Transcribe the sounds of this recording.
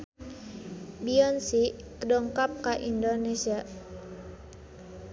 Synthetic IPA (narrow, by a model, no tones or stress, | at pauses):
biɔnsi | kədɔŋkap̚kaʔindonesia